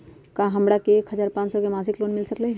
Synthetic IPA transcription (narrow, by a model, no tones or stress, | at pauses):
kãɦɐ̃mɽakeːkhɐd͡ʒaːɾpãːt͡ʃsɔkemaːs̬ɪkloːnmɪlsəkleɦ